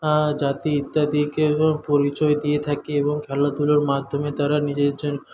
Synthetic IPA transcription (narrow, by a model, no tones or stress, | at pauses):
ad͡ʑat̪iit̪ːad̪ikepoɾit͡ɕɔed̪iet̪ʰakeeboŋkʰɛlat̪uloɾmad̪ʱːomed̪aɾanid͡ʑeɾd͡ʑon